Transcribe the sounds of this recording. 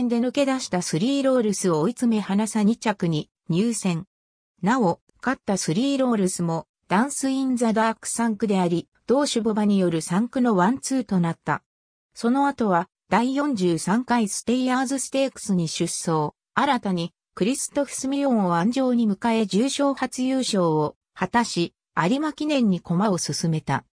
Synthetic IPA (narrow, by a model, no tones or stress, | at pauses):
nd̪e̞nɯ̟ke̞d̪aɕi̥t̪asɨɾʲiːɾo̞ːɾɯ̟sɨoːit͡sɨme̞hanasaɲ̟it͡ɕakɯ̟ɲ̟i | ɲ̟ɨːsẽ̞ŋ | nao | kat̪ːasɨɾʲiːɾo̞ːɾɯsɨmo̞ | d̪̥ãɰ̃sɨĩnd͡zad̪aːkɯ̟̥sãŋkɯ̟d̪e̞aɾʲi | d̪̥o̞ːɕɨbo̞baɲ̟ijo̞ɾɯ̟sãŋkɯ̟no̞βãnt͡sɨːt̪o̞nat̪ːa̰ | so̞no̞at̪o̞β̞a | d̪̥aijõ̞ɲ̟d͡ʑɨːsãŋkaisɨ̥t̪e̞ijaːzɨsɨ̥t̪e̞ːkɯ̥sɨɲ̟iɕɨsːo̞ː | aɾat̪aɲ̟i | kɯ̟ɾʲisɨ̥t̪o̞ɸɯ̟̥sɨmʲiɾʲõ̞ɰ̃oβãɲ̟d͡ʑo̞ːɲ̟imɯ̟kae̞d͡ʑɨːɕo̞ːhat͡sɨjɯːɕo̞ːo | hat̪aɕi | aɾʲimakʲinẽ̞ɲ̟ːiko̞mao̞sɨsɨme̞t̪a̰